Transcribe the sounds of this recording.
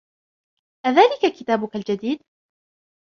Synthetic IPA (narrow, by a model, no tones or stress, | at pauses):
ʔaðaːlɪkakɪt̪aːbʊkald͡ʒad̪iːd̪̚